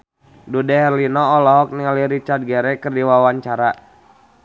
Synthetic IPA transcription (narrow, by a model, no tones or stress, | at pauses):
dudɛɦɛrlinɔːlɔɦɔk̚niŋaliɾit͡ʃard̪̚ɡɛɾɛkɨrdiwawaɲt͡ʃaɾa